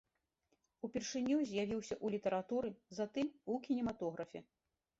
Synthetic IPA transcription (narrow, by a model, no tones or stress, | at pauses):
upʲɛrʂɨnʲːuzʲjavʲiwsʲɐʔulʲit̪ɐɾat̪uɾɨzat̪ɨmukʲinʲɛmat̪ɔɣɾɐfʲɛ̰